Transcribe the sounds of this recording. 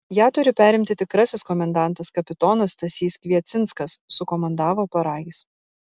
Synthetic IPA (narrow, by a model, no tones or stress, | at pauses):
jæːt̪ʊɾʲɪpʲæːɾʲɪmʲt̪ʲɪt̪ʲɪkɾɐsʲɪskɔmʲɛnd̪ɑˑnt̪ɐskɐpʲɪt̪ɔːnɐst̪ɐsʲiːskʋʲiɛt̪sʲɪnˑskɐssʊkɔmɐnd̪ɑːʋoːpɐɾɑːɡʲiːs